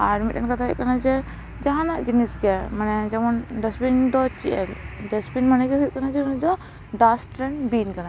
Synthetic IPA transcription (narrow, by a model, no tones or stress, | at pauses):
aɾmiʈɛnkat̪ʰaɦuʔ̚kanad͡ʒɛ | d͡ʒaɦãnaʔd͡ʒiniskɛmanɛd͡ʒɛmɔnɖɛspind̪ɔt͡ʃiʔɛlɖɛspinmanɛkɛɦut̪̚kanad͡ʒɛund̪ɔ | ɖasʈɾɛnbinkana